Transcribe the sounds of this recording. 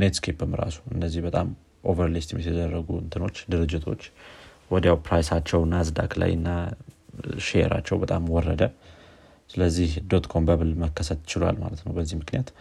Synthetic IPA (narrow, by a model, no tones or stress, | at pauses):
ned̪skʰepɨmɾa̰su̥ɨnːəzːihbət̪ʼam | ʔo̞vəɾlist̪ʰmjɛsid̪ərːəɡuɨnt̪ʰɨno̞t͡ʃːd̪ɨɾɨd͡ʒːɪt̪ʰo̞t͡ʃː | wɔd̪jawpɾajsat͡ʃːɛwnazd̪a̰kla̰jɨnːa | ʃḛɾa̰t͡ʃːɛwbət̪ʼamwɔrːə̰d̪ə | sɨləzːihd̪o̞t̪kʰo̞mbəβɨlməkʰːəsət̪t͡ʃɪla̰lma̰lət̪nəwbəzːihmɨknijat̪